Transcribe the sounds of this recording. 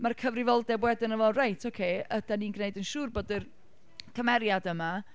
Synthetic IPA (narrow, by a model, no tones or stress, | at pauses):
markʰəvrɪvɔlˠdɛbwɛdɪnəvɔrajtʰokʰeəd̥aniːnɡneɨdənʃuːrboːdɨr | kʰəmɛɾjadəma